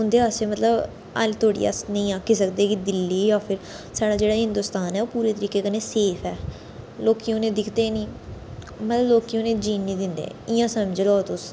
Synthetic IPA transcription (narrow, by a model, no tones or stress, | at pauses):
ʊnd̪eːasemət̪ləb | a̰lt̪ʰoːɽḭːa̰snəĩːaːkːiːsəkd̪eːkid̪ɪlːiːjaːpʰɪɾ | saːɽaːd͡ʒeːɽaːɦɪ̃nd̪ʊːst̪aːnɛːoːpuːɾeːt̪əɾiːkeːkəneːseːpʰɛː | loːkiõːnẽːd̪ɪkʰd̪eːnĩː | mət̪ləbloːkijõːnẽːd͡ʒiːnːĩːd̪ɪnd̪ḛːɪjãːsəməd͡ʒlɔːt̪ʊs